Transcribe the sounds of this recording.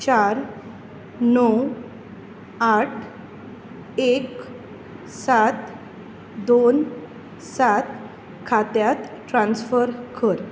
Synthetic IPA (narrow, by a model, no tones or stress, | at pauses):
t͡ɕaɾ | nɔw | aʈʰ | ek | sat̪ | d̪on | sat̪ | kʰat̪jat̪ʈɾãnsfəɾkʰəɾ